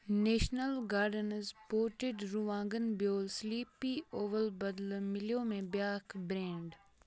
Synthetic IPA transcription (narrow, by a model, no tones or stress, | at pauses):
neːʃnəlɡaːɾɖənəzpoːʈɪɖɾuʋãːŋɡənbjoːlsliːpioːʋəlbɐd̪lmɪljõmẽbjaːkbɾẽːɳɖ